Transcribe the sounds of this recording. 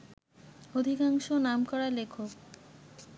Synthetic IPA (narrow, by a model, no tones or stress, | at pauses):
od̪ʱikaŋʃonamkɔɾalekʰo